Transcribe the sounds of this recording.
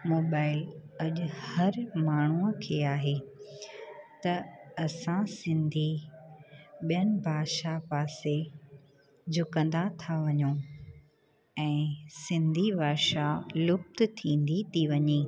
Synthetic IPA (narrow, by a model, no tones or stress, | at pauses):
moːbaːɪlɐʄʊhɐɾmaːɳ̤uəkʰeːaːɦe | t̪ɐɐsãsɪ̃nd̪ʱi | ɓijəñɪ̆bʱaːʃapaːse | d͡ʑʱʊkə̃nd̪at̪ʰaʋɐɲo | ɛ̃ːsɪ̃nd̪ʱibʱaːʃalʊf̚t̪t̪ʰĩːnd̪it̪ʰiʋɐɲeː